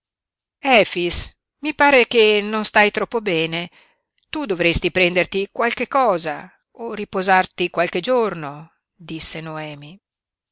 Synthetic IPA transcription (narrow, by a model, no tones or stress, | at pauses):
ɛːfis | mipaːɾek̟enonst̪ajt̪ɾɔpːobɛːne | t̪ud̪ovɾest̪ipɾɛnd̪ert̪ikwalkekːɔːza̰ | orːipozart̪ikwalk̟ed͡ʒorno | d̪isːenoɛːmi